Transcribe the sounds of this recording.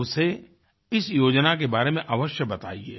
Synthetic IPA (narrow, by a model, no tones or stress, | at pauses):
ʊse | ɪsjoːd͡ʒnakebaːɾemẽʔaʋəʃjəbɐt̪a̰ːiḛː